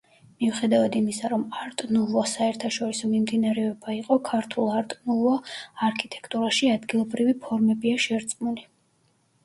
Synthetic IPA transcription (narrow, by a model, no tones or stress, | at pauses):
miuχɛd̪avad̪imisaɾɔmaɾt̪ʼnuvɔsaɛɾt̪ʰaʃɔɾisɔmimd̪inaɾɛɔbaiqʼɔkʰaɾt̪ʰulˠaɾt̪ʼnuvɔaɾkʰit̪ʼɛ̥kʰt̪ʼuɾaʃiad̪ɡilˠɔbɾivipʰɔɾmɛbiaʃɛɾt̪sʼmuli